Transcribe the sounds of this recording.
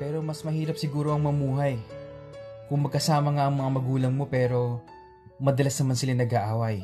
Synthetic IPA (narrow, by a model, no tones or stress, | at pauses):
pɛːɾo̞mɐsmɐhiːɾɐp̚sɪɡuːɾo̞ʔɐŋmɐmuːɦɐj | kʊŋmɐɡ̚kɐsaːmɐŋaʔɐŋmɐŋamɐɡuːlɐŋmo̞pɛːɾo̞ | mɐd̪ɐlɐsnɐmansɪlaŋnɐɡaʔaːwɐj